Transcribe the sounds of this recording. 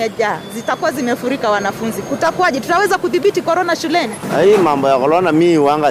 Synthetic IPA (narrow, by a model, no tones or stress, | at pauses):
ɛʄaːzitakuazimɛfuɾikawanafunzikutakuaʄɛtutawɛzakuθiɓitikɔɾɔnaʃulɛnia̰imambɔjakɔɾɔnamiwaŋɡa